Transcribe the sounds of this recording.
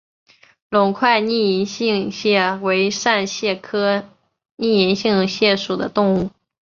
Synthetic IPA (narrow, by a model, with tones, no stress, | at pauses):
lʊ˨˩ŋkʰwa˥˧ɪni˥˩i˧˥nɕi˥˧ŋɕjɛ˥˩we˧˥ɪʂa˥˧nɕjɛ˥˩kʰɤ˥ | ni˥˩i˧˥nɕi˥˩ŋɕjɛ˥˩ʂu˨˩d̪ə̰˦t̪ʊ˥˧ŋu˥˩